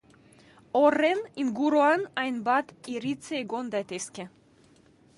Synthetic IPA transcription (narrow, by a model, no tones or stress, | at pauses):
oreninɡuɾoanajnbat̪iɾit͡seeɡond̪at̪eske